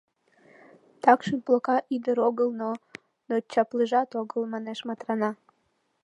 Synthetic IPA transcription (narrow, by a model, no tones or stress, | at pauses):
t̪ɑkʃənplˠokɑʔid̪əɾoɣəlˠno | not͡ɕɑplɨʒɑt̪oɡəlmɑneʃmɑt̪rɑnɑ